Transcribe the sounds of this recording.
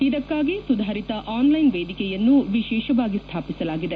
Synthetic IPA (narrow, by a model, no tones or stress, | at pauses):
id̪ɐkːaːɡisud̪ʱaːɾit̪ɐʔaːnlɐjnʋeːd̪ʱikɛjɐnːuʋiʃɛːʃɐʋaːɡist̪ʰaːpisɐlaːɡid̪e̞